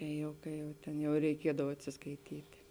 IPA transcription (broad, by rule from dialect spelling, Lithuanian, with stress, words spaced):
ˈkɐɪ jɛʊ ˈkɐɪ jɛʊ ˈtʲeːn jɛʊ rʲɛɪˈkʲiɛdɐw ɐtʲsʲɪskɐɪˈtʲiːtʲɪ